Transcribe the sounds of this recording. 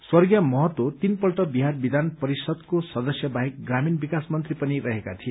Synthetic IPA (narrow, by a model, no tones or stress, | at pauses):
swʌrɡjʌmʌɦʌt̪wot̪inpʌlʈʌbiɦarbid̪ʱanpʌɾisʌd̪kosʌd̪ʌsjʌbaɦik̚ɡraminbikasmʌnt̪ripʌniɾʌɦeka̰t̪ʰie